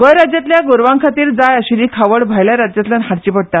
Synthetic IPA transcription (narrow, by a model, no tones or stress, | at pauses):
ɡəjɾad͡ʑjat̪ljaɡoɾʋãŋkʰat̪iːɾd͡zajəɕiɾiːkʰaʋəɽbʱajljaɾad͡ʑjat̪ljanɦaɽt͡ɕiːpəɽ̚t̪a